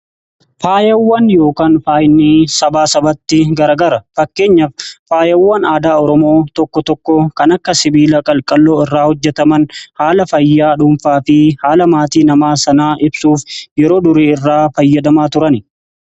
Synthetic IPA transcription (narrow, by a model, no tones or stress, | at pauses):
faːjɐwːɐnjo̞ːkaːnfaːjnːiːsɐbaːsɐbɐt̪ːɪɡɐɾɐɡɐɾɐfɐkːe̞ːɲːɐfːaːjɐwːɐnaːd̪aːɔɾɔmo̞ːt̪ɔkːɔt̪ɔkːɔkɐnɐkːɐsɪbiːlɐkʼɐlkʼɐlːo̞ːɪrːaːhɔd͡ʒːɛt̪ɐmɐnhaːlɐfɐjːaːᶑʊmfaːfɪhaːlɐmaːt̪iːnɐmaːsɐnaːʔɪbsuːfjɛɾo̞ːd̪ʊɾeːɪrːaːfɐjːɐd̪ɐmaːt̪ʊɾɐnɪ